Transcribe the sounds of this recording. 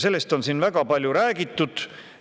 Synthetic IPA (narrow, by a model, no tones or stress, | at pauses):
se̞lːe̞st̪o̞nsinvæɡɑpɑlʲjuɾæːɡit̪ːˑud̪̥